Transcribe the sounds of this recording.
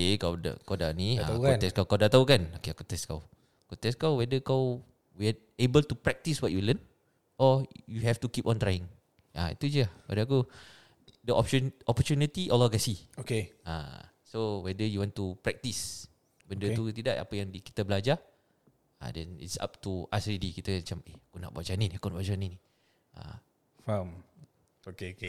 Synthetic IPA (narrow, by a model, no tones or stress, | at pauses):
okekawda̰kawda̰ʔnĩakut̪ɛskawkawdaʔt̪aukanokeakut̪ɛska̰w | kut̪ɛskawwɛdəkaw | wi | ebəlt̪upɹɛk̚t̪iswɔʔ̚julən | ʔɔjuɦɛft̪ukipɔ̃nt̪ɾajɪ̃ŋ | ʔa̰ḭt̪ud͡ʒəawa̰daku | dəʔɔp̚t͡ʃunɔpɔt͡ʃunit̪iʔɔlaɡasiokeã̰ | sowɛdəjuwɔ̃ntupɾɛk̚t̪is | bəndət̪ut̪idaʔa̰pəjaŋdiki̥t̪abəlad͡ʒa | ã̰dɛ̰̃nḭtsa̰p̚t̪ua̰sɹidikit̪aat͡ʃameakuna̰ʔbad͡ʒanĩnakonaʔbwad͡ʒanĩni | ʔa̰ | fam | okeoke